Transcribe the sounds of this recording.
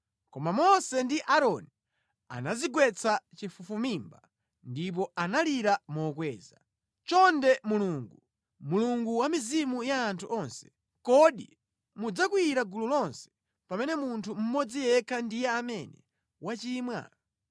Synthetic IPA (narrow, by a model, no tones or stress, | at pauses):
kɔmamɔsɛndiʔaɾɔni | a̰naziɡwɛt͡sʰat͡ʃifufumimba | ndip̬ɔanaliɾamɔːkwɛːza | t͡ʃɔndɛmuluŋɡu | muluŋɡuwamizimujaːntʰuʔɔnsɛ̥ | kɔɗḭ | mud͡zakwiiɾaɡululɔnsɛ̥ | pamɛnɛmuntʰum̩mɔd͡zijɛkʰandijɛamɛnɛ̰ | wat͡ʃiːmwa̰